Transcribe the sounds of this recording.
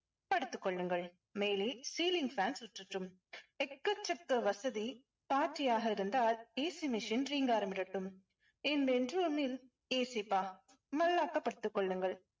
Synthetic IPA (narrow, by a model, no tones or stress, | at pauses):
pɐɽɯt̪ːɯkːɔɭːɯŋɡɐɭ | meːlisiːlɪŋɡfaːnsʊʈrɯʈrɯm | ɛkːɐt͡ʃːɐkːɐʋɐsɐði | paːʈːɪjaːɣɐɪɾɯnd̪aːleːsimɪʂɪnriːŋɡaːɾɐmbɪɾɐʈːɯm | ɪnbɛndruːmɪl | eːsipːaː | mɐlːaːkːɐpːɐɽɯt̪ːɯkːɔɭːɯŋɡɐɭ